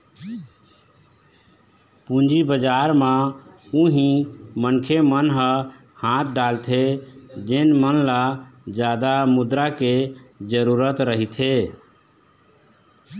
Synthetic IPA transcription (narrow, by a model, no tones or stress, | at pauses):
pũnd͡ʒibəd͡ʒaɾmã | ũɦĩmənkʰemənɦə̃ | hãt̪̚ɖalt̪ʰed͡ʒenmənlad͡ʒad̪amud̪ɾaked͡ʒəɾuɾət̪ɾəɦit̪ʰe